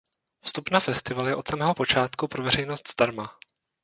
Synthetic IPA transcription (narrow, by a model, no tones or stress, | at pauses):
fst̪upnafɛst̪ɪvaljɛʔo̞t̪samɛːɦo̞po̞t͡ʃaːt̪kupɾo̞vɛɾɛjnost̪z̥d̪̥aɾma